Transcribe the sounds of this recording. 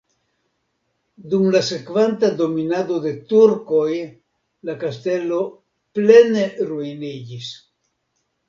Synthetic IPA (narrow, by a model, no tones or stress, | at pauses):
dumlase̞kvantad̪o̞minado̞de̞tuɾko̞j | lakaste̞lo̞ | ple̞neɾuinid͡ʒis